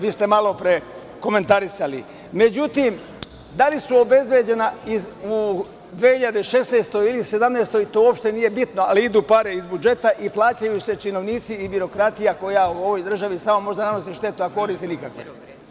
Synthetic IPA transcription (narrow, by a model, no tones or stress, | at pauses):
ʋiːst̪e̞malo̞pɾe̞ | ko̞me̞nt̪aɾisalḭ | me̞d͡ʑut̪im | d̪alisuo̞be̞zbjed͡ʑe̞naiu | d̪ʋeːhiʎad̪eʃe̞sneːst̪o̞ilise̞d̪amneːst̪o̞jt̪oːopʃt̪enije̞bit̪no̞aliid̪uːpaɾeizbud͡ʒe̞t̪aʔiplˠaːt͡ɕajuse̞t͡ʃino̞ʋniːt̪siːbiɾo̞kɾat̪ijako̞jauo̞ʋo̞jd̪r̩ʒaʋisamo̞mo̞ʒd̪anano̞s̬iʃt̪e̞t̪uako̞ɾiːst̪inikakʋḛ